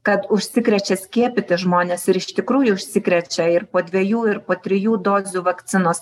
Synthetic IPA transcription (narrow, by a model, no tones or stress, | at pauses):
kɐt̪ʊʃʲsʲɪkɾʲɛt͡ʃʲɛsʲkʲiɛpʲɪt̪ʲɪʒmoːnʲeːsɪɾɪʃʲt̪ʲɪkɾuːjʊʊʃʲsʲɪkɾʲɛt͡ʃʲɛɪɾpoːd̪ʲʋʲɛjuːɪɾpoːt̪ʲɾʲɪjuːd̪oːzʲuːʋɐkt̪sʲɪnoːs